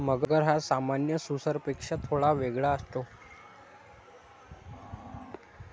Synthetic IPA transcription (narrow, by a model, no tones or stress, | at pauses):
məɡəɡəɾɦasamanjəsusəɾpekʂat̪ʰoɭaʋeɡɭaəst̪o